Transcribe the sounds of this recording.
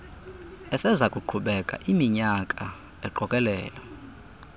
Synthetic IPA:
ɛsɛzakʼuǃʰuɓɛkʼa̰ʔimiɲakʼa | ɛǃɔkʼɛlɛːla

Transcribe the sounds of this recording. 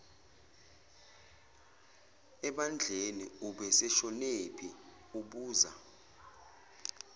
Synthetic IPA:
ɛɓand͡ɮʱeniuɓɛsɛʃɔnepʰi | uɓuːza̰

